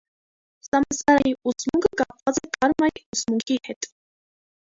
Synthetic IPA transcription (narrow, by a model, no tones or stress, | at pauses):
sɑmɑnsɑɾɑjiut͡smuŋkʰəkɑp̚vɑt͡sɛk̪ʼɑɾmɑiut͡smuŋkʰihɛt̪ʼ